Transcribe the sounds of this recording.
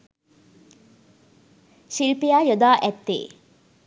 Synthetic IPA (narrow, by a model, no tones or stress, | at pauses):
ʃilpijaːjod̪aːʔɛt̪ːḛː